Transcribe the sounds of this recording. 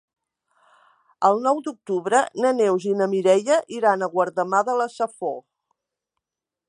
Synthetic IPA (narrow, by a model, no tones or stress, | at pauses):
əlˠnɔwd̪uk̚t̪uβɾənənewzinəmiɾɛʎəʔiɾanəɣwəɾðəmaðələsəfo